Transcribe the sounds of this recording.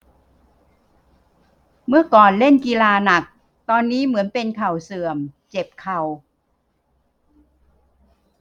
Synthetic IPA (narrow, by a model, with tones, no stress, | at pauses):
mɯ˥˩əkɔː˨˩nle˥˩nki˧laː˧na˨˩k̚ | t̪ɔː˧nːiː˦˥mɯ˩˦ənpe˧nkʰa˨˩wsɯ˨˩əmt͡ɕe˨˩p̚kʰa˨˩w